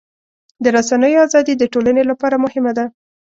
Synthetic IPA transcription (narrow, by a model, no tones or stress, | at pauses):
d̪əɾasanəjoazɑd̪id̪əʈolanelapɑɾamʊhɪmad̪a